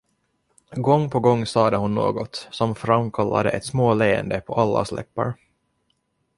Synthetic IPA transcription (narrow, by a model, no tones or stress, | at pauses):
ɡɔŋːpʰɔɡɔŋːsɑːd̪əhʊnːo̰ːɡɔt̪sɔmfɾamːkʰalːa̰d̪əʔɛt̪smoːleːə̰nd̪əpʰɔʔalːa̰slɛ̰pːa̰ɾ